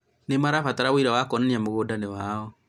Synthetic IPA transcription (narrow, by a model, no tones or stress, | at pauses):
nemaɾafataɾawoiɾawakɔnaniamoɣoːdanewaːɔ